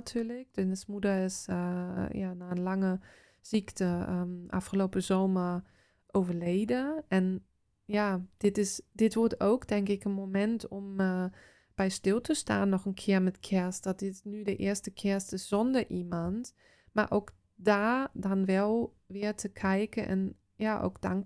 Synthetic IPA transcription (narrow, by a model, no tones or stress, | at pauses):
tʰyːlɪk̚dønəsmudəɪs | jaːnaənlaŋə | z̥iktʰəəʔa̰fχəloːpəzoːməɹ | ʔoːvəɹleːdəʔɛn | jaːd̥ɪtɪsdɪtʋɔɹtowkdɛŋkɪkənmomɛntʰɔm | b̥ɛjstɪlˠtʰəsta̰ːnːɔχənkʰɪːəɹmɛtkʰɛɹst̚d̥ɔt̚d̥ɪtnydəʔɪːəstəkʰɪɹstɪsz̥ɔndəɹʔimɑnt | ma̰ɹʔoːk | daːdɔnʋɛlˠ | ʋɪəɹtʰəkʰɛjkəʔɛ̰n | jaːʔo̰wkd̥a̰ŋ